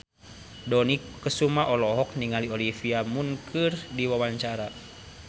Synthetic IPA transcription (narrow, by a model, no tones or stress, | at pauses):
dɔnikːəsumaʔɔlɔɦɔk̚niŋaliolifiamunkʰɨrdiwawaɲt͡ʃaɾa